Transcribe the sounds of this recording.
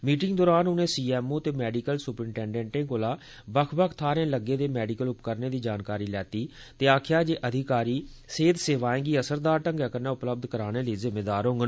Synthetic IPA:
miːʈɪŋɡd̪ɔːɾaːnʊnẽːsiːɛːmoːt̪eːmɛːɖikəlsʊpɾɪɳʈɛ̃ːɳɖɛ̃ːɳʈẽːkoːlaː | bəkʰbəkʰt̪ʰaːɾẽːləɡːeːd̪eːmɛːɖikəlʊpkəɾneːd̪iːd͡ʒaːnkaːɾiːlɛːt̪iː | t̪eːaːkʰjaːd͡ʒeːʔəd̪ʱɪkaːɾiːseːd̪seːʋaːẽːɡiːəsəɾd̪aːɾʈəŋɡɛːkənãːʊpləb̚d̪kəɾaːɽ̃eːliːzɪmːeːd̪aːɾɦõːŋɡə

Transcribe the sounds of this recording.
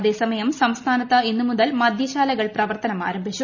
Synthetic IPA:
ðe̞ːsɐmɐjɐmsɐmst̪ʰaːnɐt̪ːɐinːumuðɐlmɐd̪ʱjɐɕaːlɐɣɐɭprɐʋɐrt̪ɐnɐma̰ːɾɐmbʱit͡ɕːu

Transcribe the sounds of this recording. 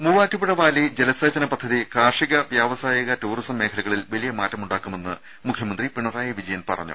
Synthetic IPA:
muʋaːtːupuɽɐʋaːlid͡ʑe̞lɐsɐːt͡ɕɐnɐpɐd̪ʱːɐðikaːrʂiɣɐʋjaːʋɐsaːjɐɣɐtuːrisɐmːe̞ːkʰɐlɐɣɐɭilʋɐlijɐmaːtːɐmuɳɖaːkːume̞nːɨ | mukʰjɐmɐnd̪ripiɳɐraːjɐʋid͡ʑɐjɐnpɐ̰rɐ̰ɲːṵ

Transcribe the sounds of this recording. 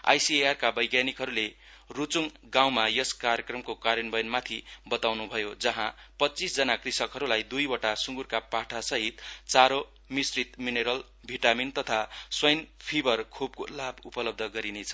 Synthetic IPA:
a̰jsiearkabʌjɡjanikɦʌɾule | rut͡suŋ | ɡaw̃majʌskaɾjekrʌmkokaɾjʌnbʌjnmat̪ʰibʌt̪awnubʱʌjod͡zʌɦãpʌtt͡sisd͡zʌnakrisʌkɦʌɾulajd̪ujwʌʈasuŋɡurkapaʈʰasʌɦit̪t͡saɾo | misrit̪mineɾʌl | bʱiʈamint̪ʌt̪ʰaswʌjnpʰibʱʌrkʰub̚kolabupʌlʌb̚d̪ʱʌɡʌɾinet͡sʰʌ̥

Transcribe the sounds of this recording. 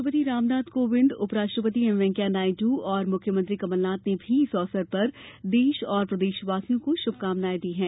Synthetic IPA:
əpət̪iɾaːmnaːd̪koʋɪ̃nd̪ʊpɾaːʃʈɾəpət̪̬iɛmʋɛ̃ːŋkjanaːɪʈuːɔːɾmʊkʰːjəmɐ̃nt̪ɾikɐməlnaːt̪nebʱiɪsɔːsəɾpɐɾd̪eːʃɔːɾpɾɐd̪eːʃʋaːsijõkoʃʊb̚kaːmnaːjd̪iɦɛ̃ː

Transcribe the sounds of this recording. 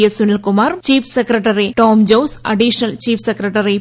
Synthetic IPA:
jɐsʊnɐlkʊmaːɾt͡ʃiːfsɐkɾɐʈɐɾiʈoːmd͡ʒoːsɐ̰ɖiʂɐnɐlt͡ʃiːfsɐkɾɐʈɐɾi

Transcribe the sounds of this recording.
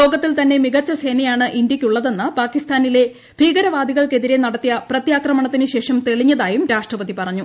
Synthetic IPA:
lo̞ːɡɐt̪ːilt̪ɐnːe̞miɣɐt͡ɕːɐse̞ːnɐjaːɳɨʔind̪jɐkʲːuɭːɐðe̞nːɨpaːkist̪ʰaːnile̞ | bʱiːɣɐɾɐʋaːd̪ʱiɣɐɭke̞ðiɾe̞nɐɽɐt̪ːijɐprɐt̪jaːkrɐmɐɳɐt̪ːinɨɕe̞ːʂɐmt̪e̞ɭiɲːɐðaːjumɾaːʂʈrɐpɐðipɐrɐɲːu

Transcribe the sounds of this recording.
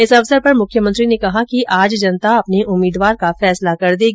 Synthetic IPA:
ɪsɐʋsəɾpɐɾmʊkʰːjəmə̃nt̪ɾinekɐɦakiʔaːd͡ʒd͡ʒɐnt̪aɐpneʔʊmiːd̪ʋaːɾkafɛːslakɐɾd̪iːɡ

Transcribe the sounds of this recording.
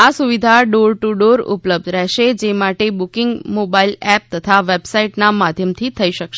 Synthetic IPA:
asuʋid̪ʱaɖoɾʈuɖoɾṵpləb̚d̪ʱɾɛɦʃed͡ʒemaʈebukɪŋɡmobailɛp̚t̪ət̪ʰaʋebsaiʈnamad̪ʱjəmt̪ʰit̪ʰəiʃəkʃe

